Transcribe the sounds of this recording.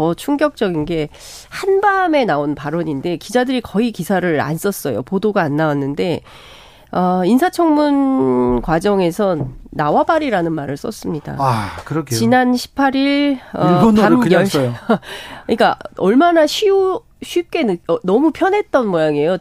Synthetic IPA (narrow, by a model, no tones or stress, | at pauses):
ʌt͡ɕʰuŋɡjʌk̚t͡ɕ͈ʌɡinɡe̞ | hanbame̞naonpaɾʌɲinde̞kid͡ʑadɯɾikʌikisʰaɾɯɾa̰ns͈ʌs͈ʌjo̰podoɡaːnːawanːɯnde̞ | ʌinsʰat͡ɕʰʌŋmunkwad͡ʑʌŋe̞sʰʌnːawabaɾiɾanɯnmaɾɯɭs͈ʌs͈ɯmɲida̰kɯɾʌkʰt͡ɕinanɕʰi̥pʰːaɾiɭʌonaʌɕ | ɲik͈aʌɭmanaɕʰiu | ɕʰɥip̚k͈e̞nʌmupʰjʌnɦe̞t̚t͈ʌnmʌjaŋe̞jo